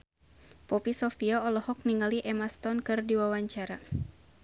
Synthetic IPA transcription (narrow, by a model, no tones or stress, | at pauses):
pɔpisɔfiɔɔlɔhɔk̚niŋaliʔɛmast̪ɔnkɨrdiwawaɲt͡ʃaɾa